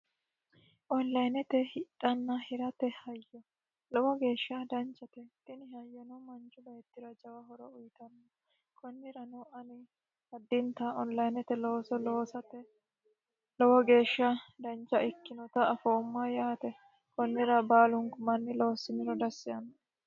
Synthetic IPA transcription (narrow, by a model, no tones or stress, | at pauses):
ʔɔnlɐjnɛt̪ɛhɪtʼːɐnːɐhɪɾɐt̪ɛhɐjːɔ | lɔwɔɡe̞ːʃːɐd̪ɐnt͡ʃːɐt̪ɛt̪ʼɪnɪhɐjːɔnɔmɐnt͡ʃʊbɐjɛt̪ːɪɾɐd͡ʒɐwɐɦɔɾɔʊjɪt̪ɐnːɔ | kʰɔnːɪɾɐnuʔɐnɪ | hɐd̪ːɪnt̪ɐɔnlɐjnɛt̪ɛloːsɔloːsɐt̪ɛ | lɔwɔɡe̞ːʃːɐd̪ɐnt͡ʃːɐʔɪkːɪnɔt̪ɐɐfoːmːɐjaːt̪ɛ | kɔnːɪɾɐbaːlʊŋkʊmɐnːɪloːsːɪnɪɾɔd̪ɐsːɪjɐnːɐ